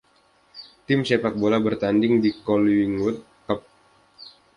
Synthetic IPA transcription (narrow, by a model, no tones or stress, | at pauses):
t̪ɪmsepak̚bolabərt̪andɪŋdikɔliŋut̪̚ | kəp̚